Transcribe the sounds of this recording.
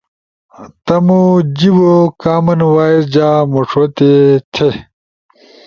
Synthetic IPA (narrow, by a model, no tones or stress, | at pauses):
t̪ɐmud͡ʑibokaːmɐnwaːiɾd͡ʑaːmoʂwot̪et̪ʰe